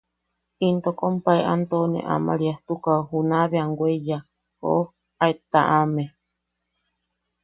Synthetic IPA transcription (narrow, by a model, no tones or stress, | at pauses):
int̪okompaeʔant̪onḛʔa̰ma̰ɾiaht̪ukahunaβeaŋɡʷwʷeja | ho̰ʔo | aet̪aʔame